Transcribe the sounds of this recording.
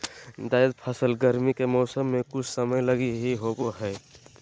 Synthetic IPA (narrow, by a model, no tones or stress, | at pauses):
d̪aːəd̪pʰəsəlɡəɾmikemɔːsəmːẽkʊt͡ʃʰsəməjləɡiɦiɦoɡoɦɛː